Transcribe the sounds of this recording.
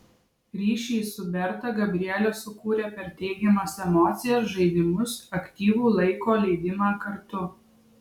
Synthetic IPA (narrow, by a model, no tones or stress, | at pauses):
ɾʲiːʃʲiːsʊbʲɛɾt̪ɐɡɐbʲɾʲɪɛlʲoːsʊkuːɾʲeːpʲɛɾt̪ʲɛɪɡʲɛmɐsɛmɔːt̪sʲɪjɛsʒɐɪd̪ʲɪmʊsɐkʲt̪ʲiːʋuːlˠɐɪkoːlʲɛɪd̪ʲɪmɑːkɐɾt̪ʊ